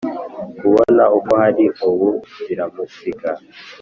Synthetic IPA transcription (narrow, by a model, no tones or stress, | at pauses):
kuβɔna̰ukohaɾiowuviɾamusika